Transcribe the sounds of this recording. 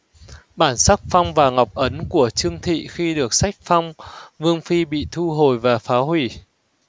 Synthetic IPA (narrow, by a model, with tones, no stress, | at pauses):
ɓaː˧˩nsa˦˥k̚fa˧wŋ͡mvaː˨˩ŋa˨˩wk͡p̚ʔə˨˦nku˧˩ət͡ɕɨ˧əŋt̪ʰḭ˧˨xi˧ɗɨ˨˩ək̚sa˦˥jk̟̚fa˧wŋ͡mvɨ˧əŋfi˧ɓḭ˧˨t̪ʰu˧ɦo˨˩jvaː˨˩faː˨˦ɦwi˧˩